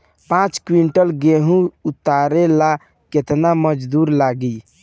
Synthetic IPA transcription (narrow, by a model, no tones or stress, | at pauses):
pãt͡ʃkwiɳʈəlɡeɦũut̪ːaɾela | ket̪naməd͡ʒd̪uɾlaɡi